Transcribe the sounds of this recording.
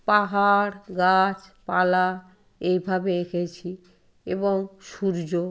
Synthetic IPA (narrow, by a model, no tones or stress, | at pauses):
paɦaɾɡat͡ɕpala | ejbʱabeekʰet͡ɕʰi | eboŋʃuɾd͡ʑo